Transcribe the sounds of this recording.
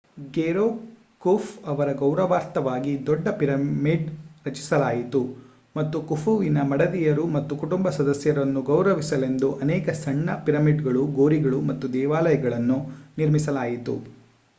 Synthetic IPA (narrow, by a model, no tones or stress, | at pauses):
ɡeɾoː | kufɐʋɐɾɐɡɐwɾɐʋaːɾt̪ɐʋaːɡid̪ɔɖːɐpiɾɐmiɖɾɐt͡ʃi̥sɐlaːjit̪u | mɐt̪ːukufʰuʋinɐmɐɽɐd̪ijɐɾumɐt̪ːukuʈumbɐsɐd̪ɐsjɐɾɐnːuɡɐwɾɐʋisɐle̞nd̪uʔɐnɛːkɐsɐɳːɐpiɾɐmiɖɡɐɭuɡoːɾiɡɐɭumɐt̪ːud̪ɛːʋaːlɐjɐɡɐɭɐnːuniɾmisɐlaːjit̪ṵ